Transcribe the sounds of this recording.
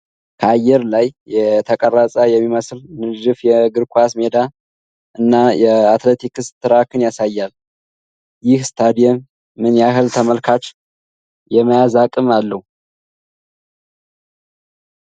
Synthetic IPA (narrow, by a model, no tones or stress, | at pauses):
kʰəajːɛɾlajjɛt̪ʰəkʼərːasʼajɛmːiməslnɨʒɨfjɛɡɨɾkʷʰasmed̪a | ʔɨnːajɛat̪let̪ʰikɨst̪ʰːɨɾakʰɨnjasajːal | jɪhst̪ʰad̪ijɛmː | ɨnjaɦɨlt̪ʰəməlkʰat͡ʃ | jɛməjazakʼɨmalːəhu